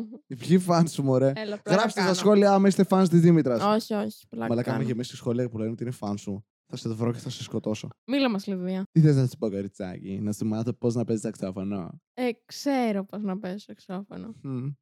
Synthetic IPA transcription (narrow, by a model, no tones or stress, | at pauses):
ipçifɐnsumoɾelɣɾɐpfse̥t̪est̪ɐsxo̞liɐɐmest̪efɐns̬t̪izðimit̪ɾɐsoçioçi̥polɐ̰mɐlɐkɐmejemisisxo̞liɐpuleneot̪iinefɐnsu | θɐset̪ovɾoceθɐseskot̪o̞somilɐmɐsliðiɐt̪iθeznɐssi̥pokoɾit͡sɐ̰cḭnɐsimɐθopo̞znɐpesist̪oksɐfono̰ | ekseɾopoznɐpesst̪oeksɐfo̰no